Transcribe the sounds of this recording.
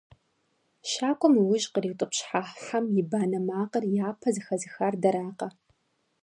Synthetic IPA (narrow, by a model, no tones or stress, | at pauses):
ʃaːkʷʼʊmɨwʊʒqəriːwtʼɨpɕħaħħamjɪbaːnɐmaːqərjaːpʰɐzɨxɐzɨxaːrdɐɾaːqɐ